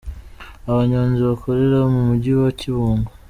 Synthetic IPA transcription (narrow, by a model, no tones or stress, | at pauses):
aβaɲoːnziβakʰoɾeɾaomumuɟiwociβuːŋɡo